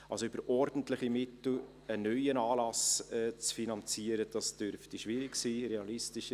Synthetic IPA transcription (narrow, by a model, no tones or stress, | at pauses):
ɑlsoybəɾʔɔɾd̥ən̩tlɪχimɪtl̩ | ənœʏənɑːlɑsɛt͡sfinɑnt͡siəɾəd̥ɑsd̥øɾftiʃʋɪɾɪksiːɾeɑlɪstɪʃ